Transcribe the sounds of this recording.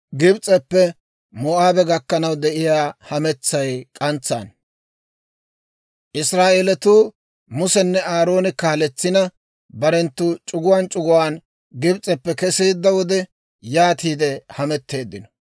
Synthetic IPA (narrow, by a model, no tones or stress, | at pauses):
ɡɪbt͡sʼɛpːɛ | mɔːʔaːbɛɡɐkːɐnɐwd̪ɛʔɪjaːhɐmɛt͡sːɐjkʼɐnt͡sːa̰ːn | ʔɪsɾaːʔeːlɛt̪uː | mʊsɛnːɛaːɾo̞ːnɪkaːlɛt͡sːɪnɐ | bɐɾɛnt̪ːʊt͡ʃʼʊɡʊwaːnt͡ʃʼʊɡʊwaːn | ɡɪbt͡sʼɛpːɛkɛsiːd̪ːɐwɔd̪ɛ | jaːt̪iːd̪ɛhɐmɛt̪ːe̞ːd̪ːɪnɔ̥